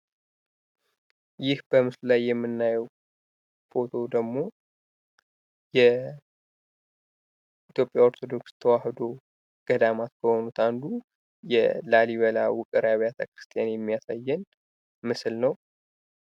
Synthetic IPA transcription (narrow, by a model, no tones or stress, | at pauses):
jɪhb̥əmɨsllajːɛmːɨnːajəw | fo̞t̪ʰo̞d̪əɡmo̞ | jɛ | it̪jo̞pʼjaoɾt̪ʰo̞d̪o̞kst̪ʰəwahd̪o̞ | ɡ̥əd̪amat̪kʰəho̞nut̪ʰand̪u | jɛ̰laliβəlawʊkʼɨɾaβijat̪ʰakɾɨ̥st̪ʰijanjɛmːijasajːɨn | mɨsɨlnəw